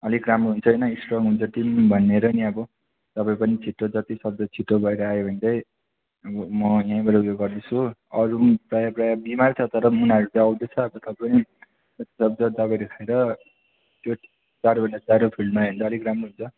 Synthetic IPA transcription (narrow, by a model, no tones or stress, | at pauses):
ʌliɡramroɦunt͡sʰʌʌjnʌisʈrʌŋɦunt͡sʰʌʈimbʱʌnːeɾʌniʌbʌ | t̪ʌpaĩpʌnit͡sʰiʈːod͡zʌt̪isʌb̚d̪ʌt͡sʰiʈːobʱʌeɾʌajobʱʌnd̪ʌj | ʌbʌmʌjãĩbʌɾuɡjoɡɡʌrd̪et͡sʰuʌɾumprajaprajabimart͡sʰʌt̪ʌɾʌunaʌɾut̪aʌwd̪et͡sʰʌːbʌt̪ʌbpʌni | d͡zʌt̪i̥sʌbd̪ʌd̪ʌbʌɾekʰaeɾʌ | t̪joʈim | t͡saɾobʱʌnd̪ʌt͡saɾopʰilmaɦund̪ʌʌliɡramroɦunt͡sʰʌ